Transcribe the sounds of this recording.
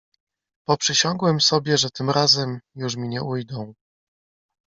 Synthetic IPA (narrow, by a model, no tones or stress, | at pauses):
pɔpʂɘɕɔŋɡwɛmsɔbʲjɛʐɛt̪ɘmɾazɛmjuʂmʲiɲɛʔujd̪ɔ̃w̃